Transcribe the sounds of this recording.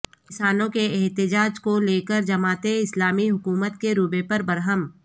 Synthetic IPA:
kɪsaːnõkeɛɦt̪ɪd͡ʒaːd͡ʒkoleːkəɾd͡ʒɐmaːt̪eɪslaːmiɦʊkuːmət̪keɾubepɐɾbɐɾɦəm

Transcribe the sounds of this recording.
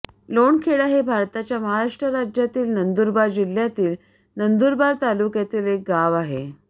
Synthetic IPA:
loɳkʰeɭaɦebʱaɾt̪at͡ɕjaməɦaɾaʂʈɾəɾad͡ʑjat̪iːlnənd̪uɾbad͡ʑil̤jat̪iːl | nənd̪uːɾbaɾt̪alukjat̪iːlek̚ɡaʋaɦe

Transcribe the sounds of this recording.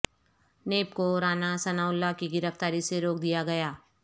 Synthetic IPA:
neːpkoɾaːnasɐnaːʊlːakiɡɪɾəft̪aːɾiseɾoːk̚d̪ijaɡɐjaː

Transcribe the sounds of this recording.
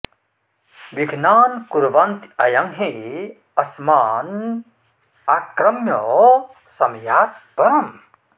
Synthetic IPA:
ʋiɡʱnaːnkuɾʋɐnt̪ɐjɐŋɦe | ɐsmaːn | akɾɐmjɔ | sɐmjaːt̪̚pɐɾɐm

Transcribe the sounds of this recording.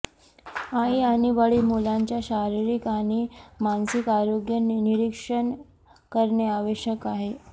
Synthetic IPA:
ajaniʋəɭimulaɲt͡ɕjaɕaɾiɾikaɽ̃imansikaɾoɡjənniɾikʂəɳ | kəɾɳeaʋəɕəkaɦe

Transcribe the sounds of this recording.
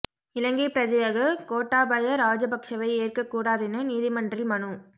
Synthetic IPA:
ɪlɐŋɡɐɪpɪɾɐd͡ʒɐjɐɣɐkoːʈːaːbɐjɐɾaːd͡ʒɐbɐkʂɐʋɐɪeːrkɐkːuːɽaːðɪnɯniːðɪmɐndrɪlmɐnu

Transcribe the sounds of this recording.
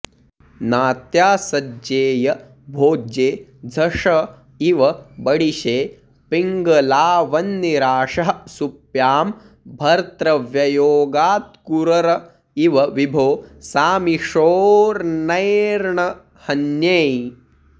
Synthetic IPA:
naːt̪jaːsɐd͡ʒeːjɐ | bʱoːd͡ʒeːd͡zʱɐʂɐ | iʋɐbɐɽiʃeː | piŋɡɐlaːʋɐnːiɾaːʂɐɦɐsupjaːm | bʱɐɾt̪ɾɐʋjɐjoːɡaːt̪̚kuɾɐɾɐ | iʋɐʋibʱoːsaːmiʂoːɾnɐjɾɳɐ | hɐnjej

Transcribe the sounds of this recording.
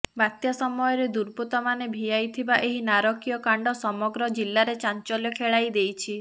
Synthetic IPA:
bat̪jasɔmɔjɔɾed̪uɾput̪ɔmanebʱijajt̪ʰibaʔeɦinaɾɔkijɔkaɳɖɔsɔmɔɡɾɔd͡ʒilːaɾet͡ʃant͡ʃɔljɔkʰeɭajd̪ejt͡ʃʰi

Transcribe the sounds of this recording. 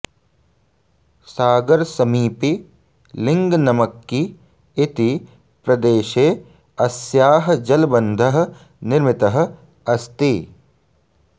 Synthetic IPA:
saːɡɐɾsɐmiːpi | lɪ̃ŋɡnɐmɐkːiː | t̪i | pɾɐd̪eːʃeː | ɐsjaːɦd͡ʒɐlbɐnd̪ʱɐɦə̆ | nɪɾmɪt̪ɐɦə̆ | ɐst̪i

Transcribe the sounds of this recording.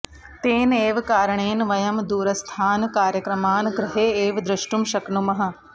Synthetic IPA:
t̪eːneːʋkaːɾɐɳeːnʋɐjɐmd̪uːɾɐst̪ʰaːnkaːɾjɐkɾɐmaːnɡɾɪɦeːeːʋd̪ɾɪʃʈumʃɐknumɐɦɐ̆

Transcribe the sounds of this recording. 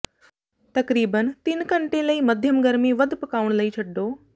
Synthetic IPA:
t̪ɐkɾiːbənt̪inkɐɳʈẽlɐiːmɐd̪ʱjəmɡɐɾmiʋɐd̪pɐkaːʋuɽ̃lɐiːt͡ʃʰɐɖːoː

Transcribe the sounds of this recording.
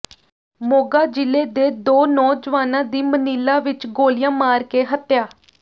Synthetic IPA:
moːɡaːd͡ʒɪleːd̪eːd̪oːnɔːd͡ʒəʋaːnãːd̪iːməniːlaːʋɪt͡ʃɡoːlɪjãːmaːɾkeːɦət̪ːjaː

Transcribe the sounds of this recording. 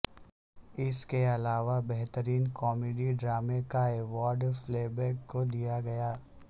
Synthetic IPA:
ɪskeɐlaːʋabɛɦt̪əɾiːnkɔːmeːɖiɖɾaːmekaeːʋaːɾɖfleːbɛːkːod̪ijaɡɐjaː

